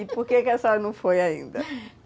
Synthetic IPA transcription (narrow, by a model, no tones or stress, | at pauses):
ipoɾkekɪɛsanɐ̃w̃fojaḭ̃nd̪ɐ